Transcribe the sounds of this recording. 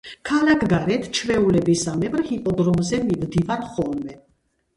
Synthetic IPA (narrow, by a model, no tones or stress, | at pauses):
kʰalakʰɡaɾɛt̪ʰt͡ʃʰvɛulɛbisamɛbɾhipʼɔd̪ɾɔmzɛmimd̪ivaɾχɔlmɛ